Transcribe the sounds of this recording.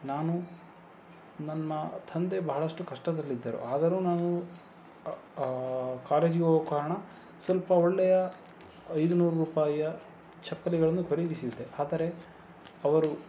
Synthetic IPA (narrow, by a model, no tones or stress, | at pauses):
naːnu | nɐnːɐt̪ʰɐnd̪e̞bɐɦɐɭɐʂʈukɐʂʈɐd̪ɐlːid̪ːɐɾṵʔaːd̪ɐɾuːnaːnu | kaːleːd͡ʒiɡokaːɾɐɳɐ | sʋɐlpɐɔɭːɛjɐː | jd̪unuːɾuɾuːpaːjɐ | t͡ʃɐpːɐliɡɐɭɐnːukʰoɾid̪isid̪ːe̞ʔaːd̪ɐɾe̞ | ɐʋɐɾu